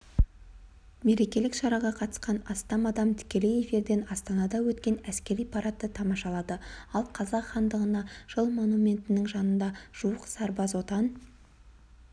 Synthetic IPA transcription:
me̞ɾe̞kʲe̞lɪkʃɑɾɑʁɑqʰɑt̪ə̥sqɑnɑst̪ɑmɑd̪ɑmt̪ʰɪ̥kʲe̞le̞je̞fiɾd̪e̞nɑst̪ɑnɑd̪ɑwɵt̪kʲe̞næskʲe̞ɾijpʰɑɾɑt̪ːət̪ʰɑmɑʃɑlˠɑd̪əɑlˠqʰɑzɑqχɑnd̪əʁənɑʒ̥əlˠmo̞numʲe̞nt̪ɪnɪŋʒɑnənd̪ɑʒ̥uwəqsɑɾbɑzwo̞t̪ɑn

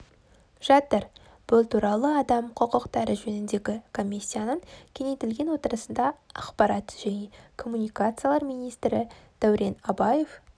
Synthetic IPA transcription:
ʒ̥ɑt̪əɾ | b̥ʊlˠt̪ʰuɾɑlˠəɑd̪ɑmqʰəqəqt̪ɑɾəʒɵnɪnd̪e̞ɡʲɪkʰo̞mʲisʲːijanəɴkʲʰe̞net̪ɪlɡʲe̞nwo̞t̪əɾəsənd̪ɑɑqpɑɾɑt̪ʒ̥æne̞kʰo̞mːunijkat̪sɨjalˠɑɾmijnijst̪ɾɪd̪̥æwɾe̞nɑbɑje̞f

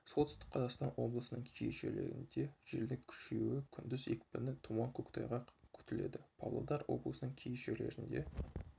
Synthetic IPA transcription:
so̞lˠt̪ʏ̥st̪ɪ̥qqʰɑzɑqst̪ɑnwo̞̰blˠəsənəɴkʲʰejeʃe̞̰leɾɪ̰nd̪e̞ʒ̥eld̪ɪŋkʲʰʏ̥ʃe̞wɪkʲʰʏnd̪ɪze̞kpɪnɪt̪ʰumɑŋkʲʰɵkt̪ʰɑjʁɑkʲʰʏ̥t̪ɪle̞d̪ɪpʰɑ̰lˠɑ̰d̪ɑɾwo̞̰bləsənəɴkʲʰejeʃele̞̰ɾɪnd̪e̞

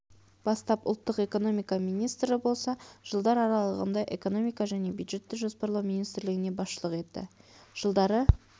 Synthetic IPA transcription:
b̥ɑst̪ɑpʊ̰lˠt̪ːəqe̞ko̞no̞mijkɑminijst̪ɾɪbo̞lˠsɑʒ̥əlˠd̪ɑɾɑɾɑlˠəʁə̰nd̪ɑʔe̞̰ko̞no̞mijkɑʒæne̞bjud̪ʒe̞t̪ːɪkʒospɑɾlˠɑwminijst̪ɾlɪɡʲɪne̞bɑsʃəlˠəqe̞t̪ːɪ̰ʒ̥əlˠd̪ɑɾə

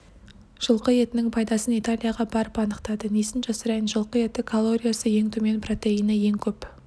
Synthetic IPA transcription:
ʒ̥əlˠqəje̞t̪ɪnɪŋpʰɑjd̪ɑsənit̪alʲijaʁɑbɑɾəpɑnəqt̪ɑd̪ənesɪnʒɑsɑɾɑjənʒəlˠqəe̞t̪ɪkʰolˠːo̞ɾʲijasəje̞ŋt̪ʰɵme̞npʰro̞t̪e̞inɪje̞ŋkʲʰɵp

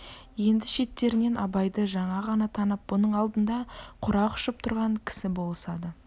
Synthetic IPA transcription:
je̞nd̪ɪʃe̞t̪ːe̞ɾɪne̞nɑbɑjd̪əʒɑɴɑʁɑnɑt̪ʰɑnəp̚bʊnəɴɑlˠd̪ənd̪ɑqʰʊɾɑqʊ̥ʃəp̚t̪ʰʊɾʁɑɴkʲʰɪ̥sɪbo̞lˠəsɑd̪ə

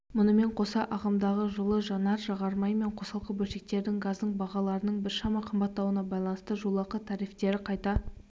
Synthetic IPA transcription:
mʊnəme̞ɴqʰo̞sɑʔɑʁɑmd̪ɑʁəʒəlˠəʒɑnɑɾʒɑʁɑɾmɑjme̞ɴqʰo̞sɑlˠqəbɵlʃe̞k̚t̪e̞ɾd̪ɪŋɡɑzd̪əɴbɑʁɑlˠɑɾənəɴbɪɾʃɑmɑqʰəmbɑt̪ːɑwənɑbɑjlˠɑnəst̪əʒulˠɑqət̪ʰɑɾift̪e̞ɾɪqʰɑjt̪ɑ

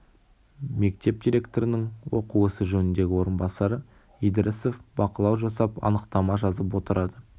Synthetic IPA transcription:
me̞k̚t̪e̞p̚d̪ijɾʲe̞kt̪oɾɪnəŋwo̞quwɵsɪʒɵnɪnd̪e̞ɡʲɪwo̞ɾənbɑsɑɾə | ijd̪əɾɪsofbɑqəlˠɑwʒɑsɑpɑ̰nəqt̪ɑmɑʒɑzəp̬wo̞t̪əɾɑd̪ə

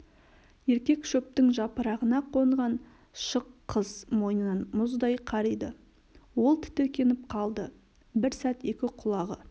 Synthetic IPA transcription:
je̞ɾkʲe̞kʃɵp̚t̪ɪŋʒɑpəɾɑʁənɑqʰo̞ɴʁɑn | ʃəqʰːəzmo̞jnənɑnmʊzd̪ɑjqʰɑɾijd̪ə | wo̞lˠt̪ʰɪ̥t̪ɵkʲe̞nɪp̚qʰɑlˠd̪ə | bɪɾsæt̪e̞kʲɪqʰʊlˠɑʁə

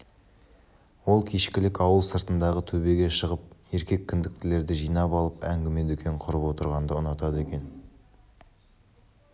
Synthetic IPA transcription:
wo̞lˠkʲʰiʃkʲɪlɪkɑwəlˠsəɾt̪ənd̪ɑʁət̪ʰɵbe̞ɡʲe̞ʃəʁəp̚e̞ɾkʲe̞kʲʰːʏnd̪ɪk̚t̪ɪle̞ɾd̪ɪʒijnɑpɑlˠəpæŋɡʲɪme̞d̪ekʲʰe̞ɴqʰʊɾəpwo̞t̪əɾʁɑnd̪əʊnɑt̪ɑd̪əe̞kʲe̞n

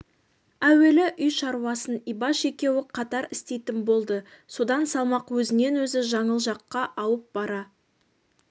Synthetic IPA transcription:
æwe̞lɪʔʏjʃɑɾuwɑsənijbɑʃe̞kʲe̞wɪqʰɑt̪ɑɾɪst̪e̞jt̪ɪnbo̞lˠd̪əso̞d̪ɑnsɑlˠmɑqwɵzɪne̞nwɵzɪʒɑɴəlˠʒɑqːɑʔɑwəp̚bɑɾɑ

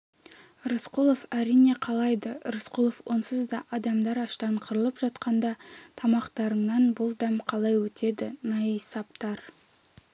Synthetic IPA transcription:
ɾosqolˠo̞fæɾijne̞qʰɑlˠɑjd̪əɾosqolˠofwo̞nsəzd̪ɑʔɑd̪ɑmd̪ɑɾɑʃt̪ɑɴqʰəɾəlˠəpʒɑt̪qɑnd̪ɑt̪ʰɑmɑqt̪ɑɾəɴnɑnbʊlˠd̪æmqʰɑlˠɑjwɵt̪ʰe̞d̪ɪnɑjisɑp̚t̪ɑɾ

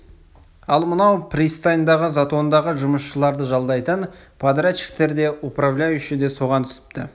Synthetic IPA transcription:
ɑlˠmənɑwprʲist̪ajnd̪ɑʁəzat̪o̞nd̪ɑʁəʒʊməʃʃəlˠɑɾd̪əʒɑlˠd̪ɑjt̪ən | pʰad̪raʃɪ̥kt̪e̞ɾd̪e̞ʔʊpravlʲajʏʃɪd̪e̞so̞ʁɑnt̪ʰʏ̥sɪ̥pt̪ɪ̰

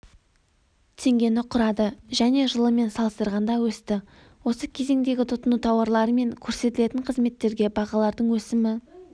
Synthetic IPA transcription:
t̪ʰe̞ŋɡʲe̞nɪqʰʊɾɑd̪əʒæne̞ʒəlˠəme̞nsɑlˠəst̪əɾʁɑnd̪ɑwɵst̪ɪ | wo̞səkʲʰe̞ze̞ŋd̪e̞ɡʲɪt̪ʰʊt̪ːənut̪ʰɑwɑɾlˠɑɾəme̞ŋkʲʰɵɾse̞t̪ɪle̞t̪ɪŋqʰəzme̞t̪ːe̞ɾɡʲe̞bɑʁɑlˠɑɾd̪əɴwɵsɪmɪ

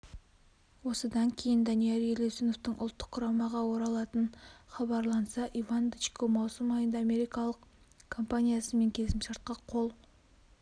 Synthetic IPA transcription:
wo̞səd̪ɑŋkʲʰe̞jɪnd̪ɑnijaɾelʲesinoft̪əɴʔʊlˠt̪ːə̥qʰːʊɾɑmɑʁɑwo̞ɾɑlˠɑt̪ənχɑbɑɾlˠɑnsɑʔivand̪it͡ʃkomɑwsəmɑjənd̪ɑːme̞ɾikɑlˠəq | kʰo̞mpanʲijasəme̞ŋkʲʰe̞lsɪmʃɑɾt̪̚qɑqʰo̞lˠ

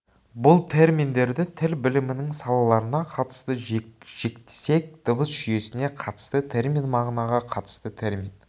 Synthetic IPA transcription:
bʊlˠt̪ʰe̞ɾmʲind̪e̞ɾd̪ɪt̪ʰɪlbɪlɪmɪnɪŋsɑlˠɑlˠɑɾənɑqʰɑt̪ə̥st̪əʒ̥e̞kt̪e̥se̞k̚d̪̥əbəsʒ̥ʏje̞sɪne̞qʰɑt̪ə̥st̪ət̪ʰe̞ɾmʲinmɑʁnɑʁɑqʰɑt̪ə̥st̪ət̪ʰe̞ɾmʲin

